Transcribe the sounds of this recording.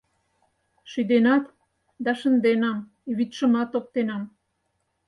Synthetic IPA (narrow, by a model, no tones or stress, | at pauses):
ʃyd̪enɑt̪ | d̪ɑʃə̆nd̪enɑm | βit̪ʃə̆mɑt̪op̚t̪enɑm